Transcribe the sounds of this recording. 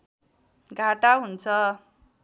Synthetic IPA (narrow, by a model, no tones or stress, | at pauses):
ɡʱaʈaɦunt͡sʰʌ